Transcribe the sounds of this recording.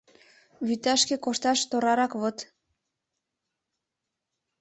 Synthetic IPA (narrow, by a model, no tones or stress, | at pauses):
βyt̪ɑʃkekoʃt̪ɑʃt̪oɾɑɾɑkβot̪